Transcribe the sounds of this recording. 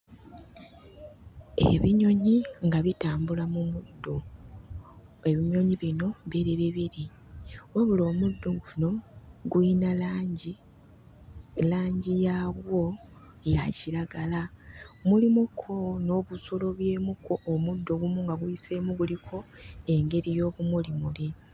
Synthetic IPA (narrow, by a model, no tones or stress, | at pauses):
e̞̰βiɲo̞ɲiŋɡaβitaːmbulamumudːo̞ | e̞βiɲo̞ɲiβino̞mβeɾeβiβiɾi | weβulo̞ːmudːo̞ɡuno̞ɡuinalaːɲɟi | laːɲɟijaβwo̞ | ja̰ciɾaɡalamulimukʰo̞no̞ːβusolo̞βje̞ːmukoʔːmudːo̞βumuŋɡaɡuise̞muɡulikʰo̞e̞ŋɡe̞ɾijo̞ːβumulimuli